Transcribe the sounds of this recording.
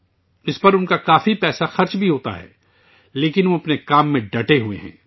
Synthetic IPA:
ɪspɐɾʊnkakaːfipɛːsaxɐɾt͡ʃbʱiɦoːt̪a̰ɦɛ̰ː | leːkɪnʋoɐpnekaːmːẽɖɐʈeɦuḛɦɛ̰̃ː

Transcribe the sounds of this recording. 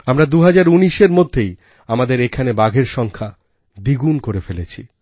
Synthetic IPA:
amɾad̪uɦad͡ʑaɾuniʃeɾmod̪ʱːej | amad̪eɾekʰanebaɡʱeɾʃɔŋkʰa | d̪iɡunkoɾefelet͡ɕʰḭ

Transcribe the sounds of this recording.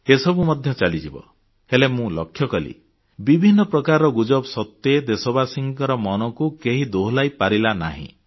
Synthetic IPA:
esɔbumɔd̪ʱjɔt͡ʃalid͡ʒibɔ̰ | helemũlɔ̰kʰjɔkɔlḭ | bibʱinːɔpɾɔkaɾɔɡud͡ʒɔbsɔt̪ːed̪esɔbasiŋkɔɾɔmɔnɔkukeɦid̪oɦlajpaɾilana̰ɦḭ̃

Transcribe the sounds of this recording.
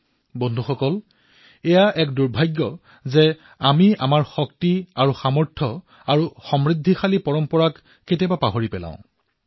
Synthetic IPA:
bɔndʱuxɔkɔl | ɛjaʔɛkduɹbʱajɡːɔ | zɛ | amiamaɹxɔktiaɹuxamɔɹtʰɔ | aɹuxɔmɹidʱːixalipɔɹɔmpɔɹakː | etiabapaɦoɹipɛlã̰ʊ̃

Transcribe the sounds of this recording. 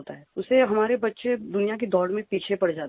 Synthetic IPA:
ot̪aɦɛʊseɦɐmaːɾebɐtːʃed̪ʊnijak̬ed̪ɔːɽmẽpiːt͡ʃʰepɐɽd͡ʒaːt̪

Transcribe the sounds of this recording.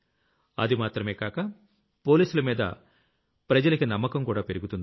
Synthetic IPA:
ɐ̰d̪imaːt̪ɾɐmeːkaːkɐ | po̞ːliːsulɐmiːd̪ɐ̰ | pɾɐd͡ʒɐlɐkinɐmːɐkɐmkuːɽaːpe̞ɾiɡut̪und̪i

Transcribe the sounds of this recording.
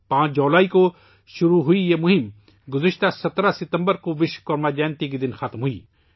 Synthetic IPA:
pãːt͡ʃʰd͡ʒoːlaːiko | ʃʊɾuɦʊijemʊɦɪm | ɡʊzɪʃt̪asɐt̪ɾasɪt̪ə̃mbəɾkoʋɪʃkɔɾmad͡ʒɛːnt̪ikid̪ɪnxɐt̪mɦuḭː

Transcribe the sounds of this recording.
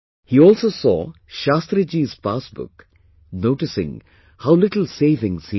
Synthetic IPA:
hiːɔːlsoːsɔ̰ː | ʃaːst̪ɾɨd͡ʒiːz̥paːsbʊ̰k | noːʈɪsɪ̰̃ŋ | haʊlɪʈl̩seːʋɪ̃ŋz̥hi

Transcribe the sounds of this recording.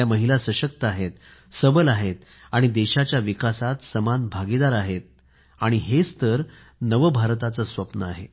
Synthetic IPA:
aməɦilasəɕək̚t̪əaɦet̪səbəlaɦet̪̚ | aɽ̃id̪eɕat͡ɕjaʋikasat̪səmanbʱaɡid̪aɾaɦet̪̚ | aɽ̃iɦest̪ʰəɾ | nəʋəbʱaɾt̪at͡səsʋəpnəa̰ɦe

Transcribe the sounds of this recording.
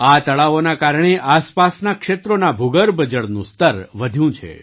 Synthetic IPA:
at̪əɭaʋonakaɾɳ̃eʔaspasnakʃet̪ɾonabʱuɡəɾbəd͡ʒəɽnũst̪əɾʋəd̪ʱjũt͡ʃʰḛ

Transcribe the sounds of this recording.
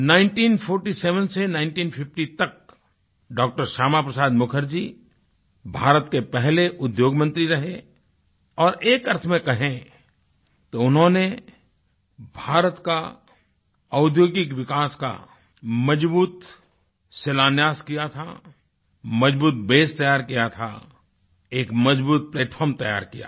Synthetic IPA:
naːɪ̃ɳʈiːnpʰoːɾʈiseːʋənsenãɪ̃ɳʈiːnpʰɪfʈit̪ɐk̚ | ɖɔːk̚ʈəɾʃaːmapɾəsaːd̪mʊkʰəɾd͡ʒiː | bʱaːɾət̪kepɛɦleʔʊd̪joːɡmə̃nt̪ɾiɾɐɦe | ɔːɾeːkɐɾt̪ʰmẽkɐɦẽ | t̪oʊnɦõne | bʱaːɾət̪ka | ɐʊd̪ʱjoːɡɪkʋɪkaːska̰ | mɐd͡ʒbuːt̪ | selaːnjaːskijat̪ʰa | mɐd͡ʒbuːt̪beːst̪ɐjaːɾkijat̪ʰa̰ | eːkmɐd͡ʒbuːt̪̚pleːʈpʰɔːɾmt̪ɐja̰ːɾkija̰ː

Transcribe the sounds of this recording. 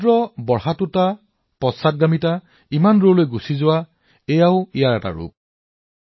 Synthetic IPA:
dɹɔbɔɹɦatuta | pɔsat̚ɡamita | imanɹolojɡusizʊwa | ɛjaʊijaɹɛta̰ɹṵp̚

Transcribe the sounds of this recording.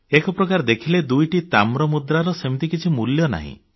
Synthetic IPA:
ekɔpɾɔkaɾɔd̪ekʰiled̪ujʈit̪amɾɔmud̪ɾaɾɔsemit̪ikit͡ʃʰimuljɔna̰ɦḭ̃

